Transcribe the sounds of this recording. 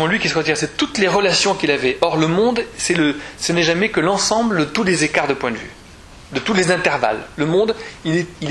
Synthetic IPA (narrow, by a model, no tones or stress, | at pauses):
mɑ̃lɥikʲisəʁət̪iʁsɛt̪ut̪leʁəlasjɔ̃kilavɛʔɔʁləmɔ̃d̪sɛləsənɛʒamɛkəlɑ̃sɑ̃bləd̪ət̪ulezekaʁd̪əpwɛ̃d̪əvy̰ | d̪ət̪ulezɛ̃t̪ɛʁva̰lːəmɔ̃d̪ilɛil